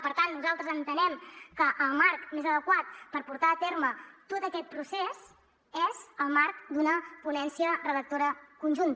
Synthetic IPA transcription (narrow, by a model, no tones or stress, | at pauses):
pəɾt̪anːnuzalˠt̪ɾəzənt̪ənɛmkəʔəlˠmaɾkmezəðəkwat̪̚pəɾpuɾt̪aːt̪eɾmət̪ot̪əkɛt̪̚pɾusez | ezəlˠmaɾkd̪unəpunɛnsiərəðək̚t̪oɾəkunʲʒunt̪